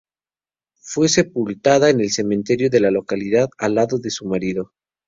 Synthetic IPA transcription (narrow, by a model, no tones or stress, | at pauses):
fwe̞se̞pult̪aðaene̞lse̞mẽnt̪e̞ɾjoðe̞lalo̞kaliðaðalːaðo̞ðe̞sumaɾiðo̞